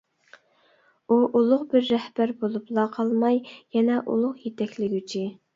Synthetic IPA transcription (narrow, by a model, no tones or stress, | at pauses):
uʔulˠʊqbɪɾːɛhbæɾbolˠuplˠɑqʰɑlˠmɑjjɛnɛʔṵlˠʊqjet̪ʰɛkʲlɪɡʲyt͡ʃʰi